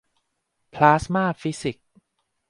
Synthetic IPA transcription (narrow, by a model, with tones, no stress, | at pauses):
pʰlaː˦˥smaː˥˩fi˦˥si˨˩k̚